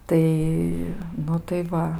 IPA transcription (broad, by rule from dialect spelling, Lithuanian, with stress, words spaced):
ˈtɐɪ ˈnʊ tɐɪ ˈʋɐ